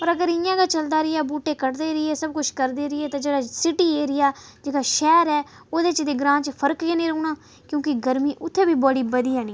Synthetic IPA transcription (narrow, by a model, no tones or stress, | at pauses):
ɔəːɾəɡəɾɪjãːɡaːt͡ʃəld̪aːɾɪjaːbuːʈeːkəɽd̪eːɾɪːɛːsəb̚kʊt͡ʃʰkəɾd̪eːɾɪɛːt̪ãːd͡ʒeːɽaːsɪʈiːeːɾɪjaːd͡ʒeːkaːʃɛːɾɛː | oːd̪eːt͡ʃd̪eːɡɾãːt͡ʃpʰəɾəkjeːnĩːɾoːnaː | kjõːkɪɡəɾmiːʔʊt̪ʰːeːbiːbɔːɽiːbəd̪ijãːnĩː